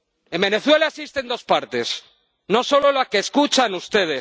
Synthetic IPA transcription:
e̞mbe̞ne̞θwe̞laesist̪e̞nd̪o̞spaɾt̪e̞s | no̞so̞lo̞lakeːskut͡ʃanust̪e̞ð̞e

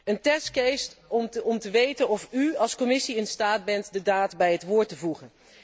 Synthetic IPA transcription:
əntɛstkejstɔmtəʋejtənɔfyɑlˠskɔmɪsiɪnstaːd̚bɛntdədaːtbɛjɦətʋʊːɹtəvuχən

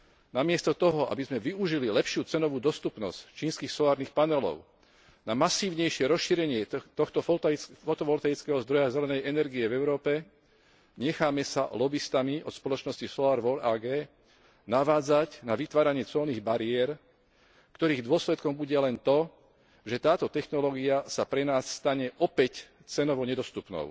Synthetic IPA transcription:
namɪɛst̪ɔt̪ɔɦɔʔa̰bizmɛʋiuʒililɛpʃɪuːt͡sɛnɔʋuːd̪ɔst̪upnɔ̰sct͡ʃiːnskiːxsɔlaːɾnixpanɛlɔ̰ʊ | namasiːʊɲɛjʃɪɛɾɔsʃiːɾɛɲɪɛt̪ɔxt̪ɔffɔt̪ɔʋɔlt̪ait͡skɛɦɔzd̪ɾɔjazɛlɛnɛjɛnɛɾɡiɛvɛʊɾɔːpɛ | ɲɛxaːmɛsa̰lɔbist̪amiʔɔt̪spɔlɔt͡ʃnɔscisɔlaːɾʋɔlaːɡɛː | naʋaːd͡zacnaʋit̪ʋaːɾaɲɪɛt͡sɔlniːɣbaɾiɛɾ | kt̪ɔɾiːɣd̪ʊɔslɛt̪kɔmbuɟɛlɛnt̪ɔ | ʒɛt̪aːt̪ɔt̪ɛxnɔlɔːɡiasapɾɛnaːsːt̪aɲɛʔɔpɛc | t͡sɛnɔʋɔɲɛd̪ɔst̪upnɔ̰ʊ

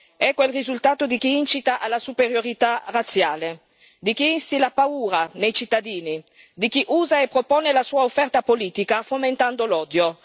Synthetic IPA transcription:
ɛkːwelrizult̪aːt̪od̪ik̟iint͡ʃit̪aʔalːasupeɾjoɾit̪arat̪sjaːle | d̪ik̟iinst̪ilapauːɾanejt͡ʃit̪ːad̪iːni | d̪ik̟iʔuːzaepːɾopɔːnelasuːaofːɛrt̪apoliːt̪ikafoment̪and̪olɔːd̪jo

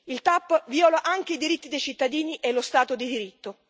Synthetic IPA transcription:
ilt̪apːviɔːlaʔaŋk̟eid̪iɾit̪ːid̪ejt͡ʃit̪ːad̪iːniʔelost̪aːt̪od̪id̪iɾit̪ːo

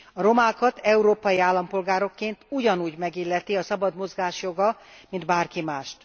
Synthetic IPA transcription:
ɒɾo̞maːkɒt̪ʰɛuɾoːpɒjiaːlːɒmpo̞lɡaːɾo̞kːeːnt̪uɟɒnuːɟmɛɡilːɛt̪iɒsɒbɒd̪mo̞zɡaːʃjo̞ɡɒmind̪baːrkimaːʃt̪

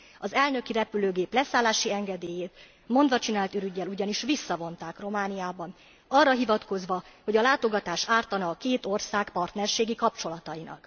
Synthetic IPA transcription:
ɒzɛlnø̞kiɾɛpyløːɡeːplɛsaːlaːʃiɛŋɡɛd̪eːjeːt̪ | mo̞nd̪vɒt͡ʃinaːlt̪yɾyɟːɛluɟɒniʃʋisːɒvo̞nt̪aːkro̞maːnijaːbɒn | ɒrːɒɦivɒt̪ko̞zʋɒho̞ɟɒlaːt̪o̞ɡɒt̪aːʃaːrt̪ɒnɒːkeːt̪o̞rsaːkpɒrt̪nɛrʃeːɡikɒpt͡ʃo̞lɒt̪ɒjinɒ̰k

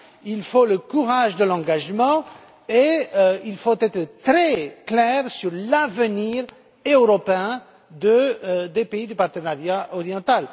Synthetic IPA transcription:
ilfoləkuʁaʒd̪əlɑ̃ɡaʒmɑ̃ | eilfot̪ɛt̪χət̪ʁɛklɛʁsyʁlavəniʁ | øøʁɔpeɛ̃ | d̪əd̪epeid̪ypaʁt̪ənaʁjaʔɔʁjɑ̃t̪al

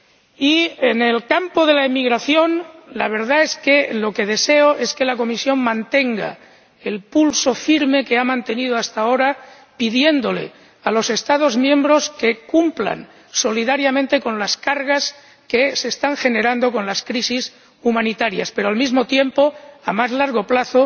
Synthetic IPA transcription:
iene̞lkampo̞ðe̞laemiɣɾaθjo̞nlaβ̞e̞ɾðae̞ske̞lo̞ke̞ð̞e̞se̞oʔe̞ske̞lako̞misjo̞nmãnt̪e̞ŋɡa̰ | elpulso̞fiɾme̞keamãnt̪e̞nið̞oast̪ao̞ɾa | piðje̞nd̪o̞le̞̰ | alo̞se̞st̪að̞o̞zmjẽ̞mbɾo̞ske̞kumpla̰n | so̞liðaɾjamẽnt̪e̞ko̞nlaskaɾɣas | kese̞st̪aŋxe̞ne̞ɾand̪o̞kõ̞nlaskɾisis | umãnit̪aɾja̰spe̞ɾoalmizmo̞t̪je̞mpo̞amazlaɾɣ̞o̞plaθo

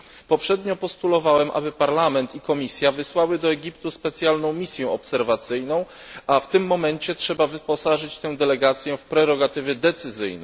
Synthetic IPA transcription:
pɔpʂɛd̪ɲɔpɔst̪ulɔvawɛmʔa̰bɘpaɾlamɛnt̪ikɔmʲisʲjavɘswawɘd̪ɔɛɡʲipt̪uspɛt̪sʲjalnɔ̃w̃mʲisʲjɛɔpsɛɾvat̪sɘjnɔ̃w̃ʔaft̪ɘmːɔmɛnt͡ɕɛtʂɛbavɘpɔsaʐɘt͡ɕt̪ɛw̃d̪ɛlɛɡat̪sʲjɛfpɾɛɾɔɡat̪ɘvʲjɛd̪ɛt̪sɘzɘ̰jnɛ̰

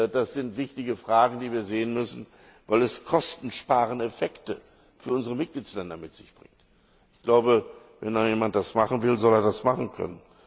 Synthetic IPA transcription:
d̥asz̥ɪntv̥ɪçtɪɡəfʁ̥aːɡŋ̩diːviːɐzeːənmʏsn̩ | vaɪlɛskʰɔstn̩ʃpaːʁ̞ənɛfɛktə | fyːɐʔʊnzəʁəmɪt̚ɡ̥liːt͡sslɛndɐmɪtz̥ɪçb̥ʁɪ̰ŋt | ʔɪçɡ̥laʊbə | vɛndajeːmant̚d̥asmaχn̩vɪlzɔleːɐdasmaχn̩kʰœ̰nən

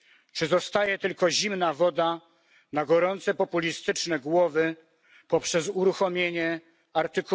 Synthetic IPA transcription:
t͡ʂɘzɔst̪ajɛt̪ɘlkɔʑimnavɔd̪a | naɡɔɾɔnt̪sɛpɔpulʲist̪ɘt͡ʂnɛɡwɔvɘ | pɔpʂɛzuɾuxɔmʲjeɲɛ | aɾt̪ɘk

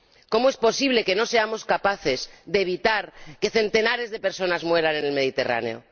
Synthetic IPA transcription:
ko̞moe̞spo̞siβle̞ke̞no̞se̞amo̞skapaθe̞zd̪e̞ːβit̪aɾke̞θe̞nt̪e̞naɾe̞zðe̞pe̞ɾso̞nazmwe̞ɾane̞ne̞lme̞ð̞it̪e̞rʔa̰neo̞̰

